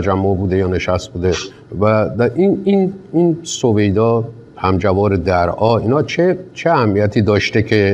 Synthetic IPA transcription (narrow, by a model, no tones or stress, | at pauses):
t̪ʰæd͡ʒæmːobuːd̪ejɒːne̞ʃæst̪̚buːd̪e | væd̪æʔinininsove̞jd̪ɒː | pʰæmd͡ʒævɒːɾed̪æɾʔɒːiːnhɒːt͡ʃʰet͡ʃʰeæhæmːijæt̪ʰiːd̪ɒːʃt̪e̞cʰe̞